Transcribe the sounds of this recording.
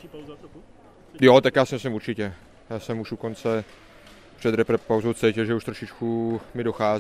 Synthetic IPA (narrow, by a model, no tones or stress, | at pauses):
jɔt̪akjaːsimislimuɾt͡ʃicɛ | jaːsɛmuʃukɔnt͡sɛ | pr̥ɛd̪ɾɛpɾɛpawzowft͡sɛcɛlʒɛuʃt̪ɾɔʃit͡ʃkumidɔxaːz